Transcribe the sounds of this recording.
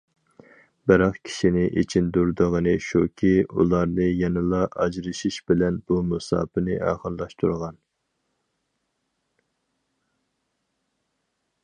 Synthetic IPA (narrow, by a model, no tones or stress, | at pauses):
bɪɾɑχkʲʰi̥ʃinɪʔḭt͡ʃʰind̪uɾd̪əʁənɨʃukʲʰiṵlˠɑɾnɨjɛnɨlˠɑʔɑ̰d͡ʒɾɨʃiʃbɪlɛnbumusɑ̰ːpɨnɨʔæ̰ːʁəllˠɑʃt̪ʰuɾʁɑn